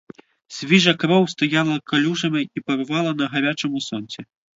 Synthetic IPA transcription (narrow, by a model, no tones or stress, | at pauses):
sʲvʲiʐɐkɾɔwst̪ajalˠɐkalʲuʐɐmʲɐipɐɾvalˠɐnɐɣaɾʲat͡ʂɨmusɔnʲsʲɛ